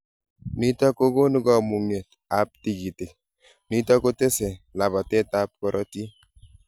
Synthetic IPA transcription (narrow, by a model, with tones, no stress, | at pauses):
ni˦tɔ˦ko˦ko˦nu˦ɡɔ˦mu˨ŋje˨t̪ | a˨p̚ti˨ɡi˨ti˨k | ni˦tɔ˦ko˦te˦sɛ˨la˨ba˨te˦ta˦p̚kɔ˦ɾʔɔ˦ti˦